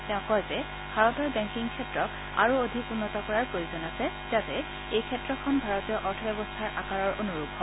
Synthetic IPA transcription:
tɛ̃ʊ̃kɔjzɛ | bʱaɹɔtɔɹbɛŋkiŋkʰɛtɹɔk | a̰ɹuod̪ʱikunːɔtɔkɔɹaɹkoizɔnasɛ | zatɛ | ejkʰɛtɹɔkʰɔnbʱaɹɔtijɔʔɔɹtʰɔbɛbɔstʰaɹʔakaɹɔɹʔonuɹuɡɦɔ

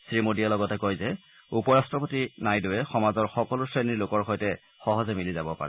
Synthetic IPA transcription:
sɹimodialɔɡɔtɛkojzɛ | upɔɹastɹɔpotinajdowɛxɔmazɔɹxɔkɔlʊsɹeniɹlokɔɹxɔjtɛ | xɔɦɔzɛmilizabɔpa̰ɹɛ

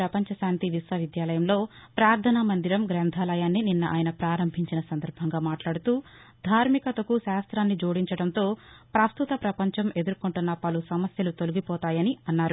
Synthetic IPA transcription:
ɾɐpɐɲt͡ʃɐʃaːnt̪iʋisʋɐʋid̪jaːlɐjɐmlo̞ːpɾaːɾt̪ʰɐnɐmɐnd̪iɾɐmɡɾɛːnd̪ʱaːlɐjaːnːininːɐʔa̰ːjnɐpɾaːɾɐmbʱiɲt͡ʃinɐsɐnd̪ɐɾbʱɐŋɡaːmaːʈlaːɽut̪uː | d̪ʱaːɾmikɐt̪ɐkuʃaːst̪ɾaːnːid͡ʒoːɽiɲt͡ʃɐɽɐnt̪o̞ːpɾɐst̪ut̪ɐpɾɐpɐɲt͡ʃɐme̞d̪uɾkuɳʈunːɐpɐlusɐmɐsjɐlut̪oluɡipɔːt̪aːjɐniɐnːaːɾu

